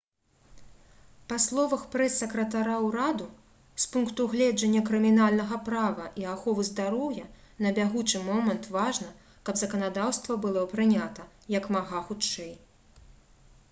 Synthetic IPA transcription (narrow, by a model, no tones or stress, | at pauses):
paslˠɔvɐxpɾɛsːɐkɾɐt̪aɾawɾad̪u | spunkt̪uɣlʲɛd͡ʐɐnʲːɐkɾɨmʲinalʲnɐɣɐpɾavɐʔiaxɔvɨzd̪aɾɔwjɐ | nɐbʲaɣut͡ʂɨmɔmɐnt̪vaʐnɐ | kɐbzɐkɐnad̪awst̪vɐbɨlˠɔpɾɨnʲat̪ɐ | jɐkmaɣaxut͡ʂɛj